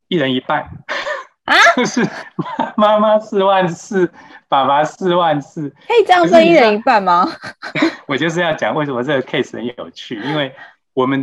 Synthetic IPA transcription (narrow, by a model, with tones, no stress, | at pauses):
i˥˩ɻə˧˦ni˧˥pa˥˩ɪ | a˧˦jo˥˧ʊʂɻ̩˥˩ma˥ma˥ma˦˥sɹ̩˥˧wa˥˧nsɹ̩˥˩pa˨˩ma˧˥sɹ̩˥˧wa˥˧nsɹ̩˥˩kʰə˥˩i˨˩t͡sɑ˥˩ŋsə˥ŋi˥˩ɻə˧˦ni˧˥pa˥˩ɪma˨ | wɔ˨˩t͡ɕjo˥˧ʊʂ̬ɻ̩˧jɑ˥˩ʊt͡ɕjɑ̰˨˩ŋwe˥˩ɪʂə˧˦mə˦˧ə˥˩ɡə˩kʰe˥˩ɪsə̰˧˦njo̰˨˩ʊt͡ɕʰy˥˩i˥nwe˥˩ɪ | wɔ˨˩mə˦n